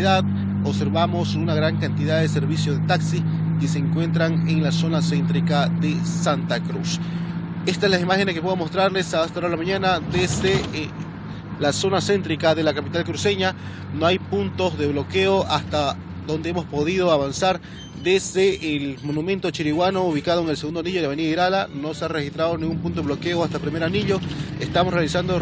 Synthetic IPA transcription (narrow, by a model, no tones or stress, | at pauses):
iðað | oβse̞ɾβamo̞sunaɣɾaŋkant̪ið̞aððeseɾβisjoðet̪aksikeseːŋkwe̞nt̪ɾaŋeŋlaso̞nasent̪ɾikaðesant̪akɾus | est̪aezlaimaxeneskepweðomo̞st̪ɾaɾlesast̪aoɾalamaɲanad̪ezðe | laso̞nase̞nt̪ɾikaðe̞lakapit̪alkɾuse̞ɲa | noajpunt̪o̞zðe̞βlo̞keoʔast̪a | ðo̞nd̪eemospo̞ðiðo̞aβansaɾ | d̪e̞zðeːlmo̞numẽnt̪o̞t͡ʃiɾiɣwano̞uβikað̞oeŋe̞lseɣund̪aniʎoaβeniðaiɾalano̞seare̞xist̪ɾaðo̞niŋɡumpũnt̪oelo̞keoast̪apɾime̞ɾaniʎo̞ | est̪amosrealisand̪o